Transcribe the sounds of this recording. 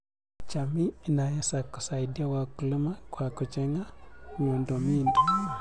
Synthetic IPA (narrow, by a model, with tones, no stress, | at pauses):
t͡ʃa˨miː˦˨na˨ja˦sa˨kːu̥˨sa˨idi˦a˦wa˨ku˨li˦ma˦kwa˨ku˨t͡ʃɛ˦ŋa˦ŋu˨ndo˨mi˦ndo˦˨